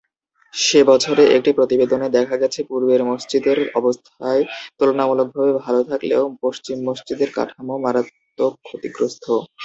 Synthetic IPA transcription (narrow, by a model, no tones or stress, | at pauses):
ʃebɔt͡ɕʰoɾeʔek̚ʈipɾot̪ibed̪oned̪ɛkʰaɡɛt͡ɕʰepuɾbeɾmoʃt͡ɕid̪eɾɔbost̪ʰaet̪olonamulok̚bʱabebʱalot̪ʰakleopoʃt͡ɕimːoʃt͡ɕid̪eɾka̰ʈʰamomaɾat̪ː | okʰːot̪iɡɾost̪ʰo